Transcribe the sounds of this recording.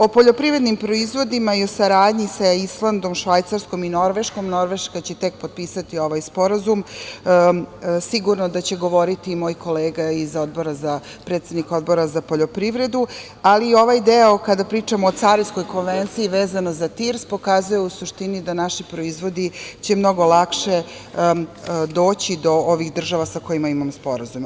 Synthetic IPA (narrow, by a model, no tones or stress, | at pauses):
o̞poʎo̞pɾivɾe̞d̪nimpɾo̞izʋo̞d̪imaio̞saɾaːd̪ɲisaislˠand̪o̞mʃʋajt̪saɾsko̞mino̞ɾʋe̞ʃko̞mno̞ɾʋe̞ʃkat͡ɕet̪e̞k̚pod̪̚piːsat̪io̞ʋajspo̞ɾazum | siɡuɾnod̪at͡ɕe̞ɡo̞ʋo̞ɾit̪imo̞ːjko̞leːɡaizo̞d̪̚bo̞ɾaza | pɾet̪sed̪niko̞d̪̚bo̞ɾazapoʎo̞pɾiʋɾe̞d̪u | aliːo̞ʋajd̪eokad̪apɾiːt͡ʂamoːt̪saɾisko̞jkonʋent̪siiʋeːzanozat̪iɾspo̞kazujeusuʃt̪inid̪anaʃipɾo̞izʋo̞d̪it͡ɕe̞mno̞ɡo̞lˠakʃe | d̪o̞ːt͡ɕid̪o̞oʋixd̪r̩ʒaʋasako̞jimaimamspo̞ɾazum